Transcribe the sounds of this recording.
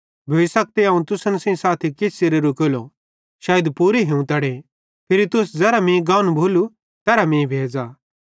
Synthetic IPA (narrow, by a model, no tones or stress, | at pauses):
bʱeːsɐk̚t̪eãːũt̪ʊsənsɐ̃ĩsaːt̪ʰikɪsʰseɾeɾukeːlo | ʃaːjəd̪puːɾiɦeũt̪ɐɽe | pʰɪɾit̪ʊsd͡zɛːɾamĩɡãːnbʱoːlu | t̪ɛːɾamĩbʱeːd͡za